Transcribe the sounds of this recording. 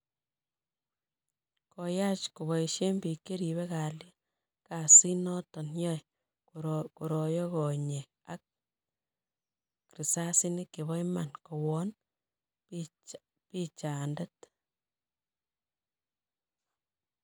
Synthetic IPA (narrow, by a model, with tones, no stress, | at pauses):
koja˦t͡ʃku˨βɔ˨iʃe˦mbi˨ke˦ɾi˨βe˦ka˨lja˦ | ka˨si˦nɔ˦tɔ˨njɔ˦j | ku˨ɾɔ˨jɔ˦kɔ˨ɲe˨ | a˦k̚ | ri˨sa˦si˦nikːe˨βɔ˦jma˨nko˨wɔ˦n | pi˦t͡ʃa˨nde˦t